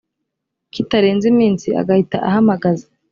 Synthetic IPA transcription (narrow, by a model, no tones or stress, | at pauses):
kitaɾe̞ːnzimiːnsia̰ɡahita̰ʔahamaɡazḁ